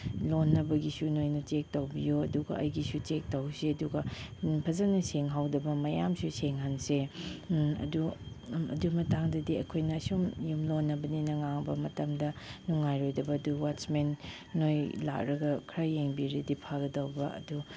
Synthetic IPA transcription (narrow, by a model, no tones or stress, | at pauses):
lonːɐbɐɡisunojnɐt͡ʃek̚tɐwbijoɐduɡɐ̰ʔɐ̰jɡisut͡ʃek̚tɐwseɐduɡɐpʰɐzanɐseŋɦawdɐbɐmɐjamsuseŋɦanse | ɐ̰duɐ̰dumɐtaŋdɐdiɐkʰojnɐːsumjumlonːɐbɐninɐŋaŋbɐmɐtɐmdɐnuŋajɾojdɐbɐːduwat͡ʃmenː | ojla̰k̚ɾɐɡɐkʰɾajːeŋbiɾidipʰaɡɐdɐwbɐʔɐ̰du